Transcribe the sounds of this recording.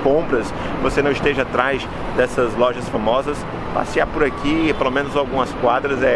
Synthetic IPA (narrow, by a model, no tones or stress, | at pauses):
kõpɾɐs | vosenɐ̃ɪst̪eʒɐat̪ɾajz | d̪ɛsɐzlɔʒɐsfamɔzɐs | pa̰siaɾpʊɾakʰipelomẽnʊzawɡũmɐskwad̪ɾɐzɛ